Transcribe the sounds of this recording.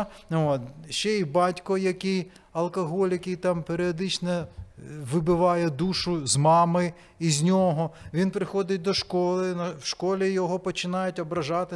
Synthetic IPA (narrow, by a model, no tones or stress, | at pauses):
ot̪ʃt͡ʃɛibɑtʲkɔjɐkɪj | ɐlˠkɐɦɔlʲjjɐkʲɪjt̪ɑmpeɾʲɪɔd̪ɪt͡ʃnɐ | ʋɪbɪʋɑjɛd̪uʃʊzmɑmɪ | izʲnʲɔɦɔʋʲinpɾɪxɔd̪ɪt̚ʲd̪ɔʃkɔlˠɪnɐwʃkɔlʲijɔɦɔpɔt͡ʃɪnɑjʊtʲɔbɾɐʒɑt̪ɪ